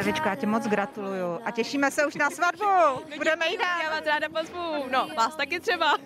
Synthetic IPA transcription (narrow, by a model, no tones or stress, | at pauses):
ɛvɪt͡ʃkojaːcɛmot͡sɡɾat̪ulujuʔacɛʃiːmɛsɛuʃnasvadbubbudɛmɛjidajaːvaːsɾaːdapozvunovaːst̪akɪt̪r̥ɛba